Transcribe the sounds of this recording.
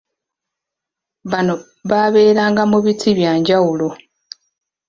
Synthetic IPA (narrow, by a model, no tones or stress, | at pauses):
βano̞ | βaβe̞ːɾaːŋɡamuβitʰiβjaːɲɟawulo̞